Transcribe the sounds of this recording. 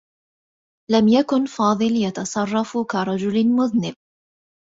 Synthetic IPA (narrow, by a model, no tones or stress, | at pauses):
lamjakʊnfɑːðˤɨljɑt̪ɑsˤɑrˤːɑfkaɾˤɑd͡ʒʊlmʊðnɪb̚